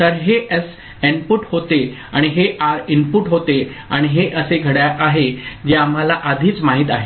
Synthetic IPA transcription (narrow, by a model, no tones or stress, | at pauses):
t̪əɾɦeʔəs | inpuʈhot̪eaɽ̃iɦeʔainpuʈɦot̪ea̰ɽ̃iɦeʔəseɡʱəɽjaʔaɦed͡ʑeam̤ɦalaʔad̪ʱiːt͡smaɦiːt̪̬aɦe